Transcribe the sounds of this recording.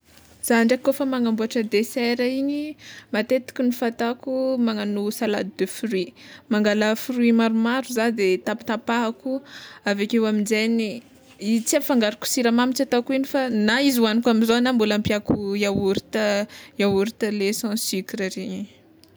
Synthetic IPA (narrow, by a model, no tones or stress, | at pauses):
z̥aɳɖ͡ʐakːofəmaŋambuaʈ͡ʂəd̪esɛɾaiɲimat̪et̪i̥kʲinifat̪akumaŋanusala̰d̪id̪efrimaŋɡaləfuɾwimaɾumaɾuzad̪et̪apt̪apaɦakuavekʲewamind͡zeni | it͡siafaŋɡaɾiku̥siɾamamit͡ʃat̪akuinifanaizuwanikamizonambulampiakuiauɾit̪əawuɾit̪əlesɑ̃sikiɾaɾeɲi